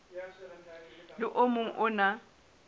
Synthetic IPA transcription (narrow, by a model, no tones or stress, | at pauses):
lɪʔʊmʊŋ̩ʔʊna